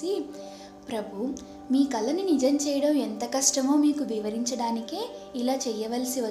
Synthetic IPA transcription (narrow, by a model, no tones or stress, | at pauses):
i | pɾɐbʱu | miːkɐlɐninid͡ʒɐmt͡ʃɛːjɐɽɐment̪ɐkɐʂʈɐmoːmiːkuʋiʋɐɾiɲt͡ʃɐɽaːnikeː | ilaːt͡ʃɛjɐʋɐlsiʋɐ